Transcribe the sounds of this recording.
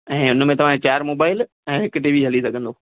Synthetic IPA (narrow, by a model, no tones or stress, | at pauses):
ɛ̃ːʊn̆mẽt̪ɐʋ̤ãet͡ɕaːəɾmoːbaːɪl | ɛ̃ːɦɪkʈiːʋiɦɐlisɐɡʱə̃nd̪oː